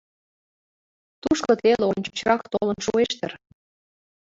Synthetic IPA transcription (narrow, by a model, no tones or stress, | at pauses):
t̪uʃkɤt̪eleonʲt͡ɕə̥kt͡ɕrɑk̚t̪olənʃueʃt̪ə̰̆r